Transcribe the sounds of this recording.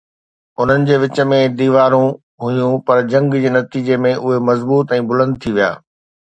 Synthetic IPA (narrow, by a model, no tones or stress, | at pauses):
ʊn̤ənɪ̆d͡ʑeːʋɪt͡ɕə̆mẽd̪iːʋaːɾũ | ɦʊjũpɐɾd͡ʑɐ̃ŋɡd͡ʑeːnɐt̪iːd͡ʑemẽʔʊɦemɐzbuːt̪ɛ̃ːbʊlə̃nd̪ɪt̪ʰiʋija̰ː